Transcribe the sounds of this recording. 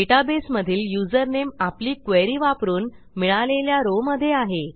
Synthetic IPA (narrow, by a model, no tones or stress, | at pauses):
eʈabesməd̪ʱiːljud͡zəɾnemapliːkʋeɾiːʋapɾuːn | miɭaleljaɾoməd̪ʱːjeaɦe